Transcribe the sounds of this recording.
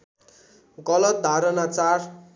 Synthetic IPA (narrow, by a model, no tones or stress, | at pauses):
ɡʌlʌt̪̚d̪ʱaɾʌnat͡sar